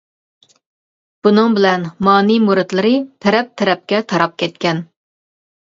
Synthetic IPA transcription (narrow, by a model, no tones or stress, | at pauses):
b̥unɨŋbɪlɛnmɑːnimuɾɨt̪lˠɨɾɨt̪ʰɛɾɛp̚t̪ʰɛɾɛp̚kʲɛt̪ʰɑɾɑp̚kʲʰɛt̪̚kʲɛn